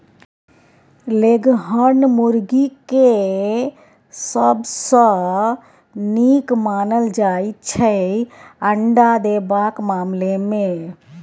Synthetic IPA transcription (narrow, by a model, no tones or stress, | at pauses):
leɡɦənmuɾɡike | səbsə̃ | nikmanəld͡ʒaitt͡ʃʰə | əɳɖad̪ebakmamleme